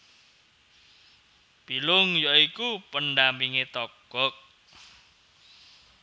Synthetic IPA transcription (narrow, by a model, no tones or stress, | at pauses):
b̥ilʊŋjoikupəndampiŋet̪ɔɡ̥ɔk̚